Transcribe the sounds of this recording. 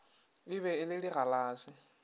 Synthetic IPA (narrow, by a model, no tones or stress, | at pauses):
ɪβɛɪlɪɺiɣalaːsɪ